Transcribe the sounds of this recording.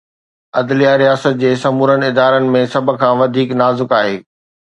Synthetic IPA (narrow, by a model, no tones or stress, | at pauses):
ɐd̪lijaɾijaːsət̪̚d͡ʑeːsɐmuːɾən̆ɪd̪aːɾənɪ̆mẽsɐbʱʊ̆kʰãːʋɐd̪ʱiːknaːzɪkaːɦeː